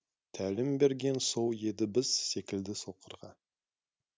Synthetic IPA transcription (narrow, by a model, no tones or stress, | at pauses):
t̪ʰælɪmbe̞ɾɡʲe̞nso̞wje̞d̪ɪbɪz̥se̞kʲɪld̪ɪso̞qəɾʁɑ